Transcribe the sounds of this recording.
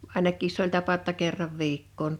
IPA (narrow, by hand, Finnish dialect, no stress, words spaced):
ɑˑinɑkˑiːs s olʲ tɑpɑ ŏtːɑ kerːɑʋ ʋiːkːoːn